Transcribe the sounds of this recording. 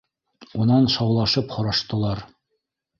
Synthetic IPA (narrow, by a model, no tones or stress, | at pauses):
unɑnʃɑwlˠɑʃɤpχŏɾɑʃt̪ɤ̆lˠɑɾ